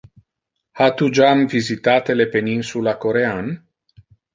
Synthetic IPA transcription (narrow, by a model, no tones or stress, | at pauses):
hat̪ud͡ʒamvizit̪at̪elepeninsulakoɾean